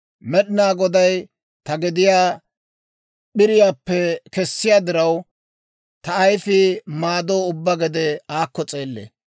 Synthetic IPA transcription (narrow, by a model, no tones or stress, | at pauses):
mɛɗɪnaːɡɔd̪ɐj | t̪ɐɡɛd̪ɪjaː | ɓɪɾɪjaːpːɛkɛsːɪjaːd̪ɪɾɐw | t̪ɐːjfɪmaːd̪oːʊbːɐɡɛd̪ɛaːkːɔt͡sʼeːlːḛː